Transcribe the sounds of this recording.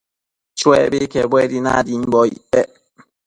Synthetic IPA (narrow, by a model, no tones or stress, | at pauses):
t͡ʃwɛbekɛbwɛdina̰dim̩bɔḭbɛ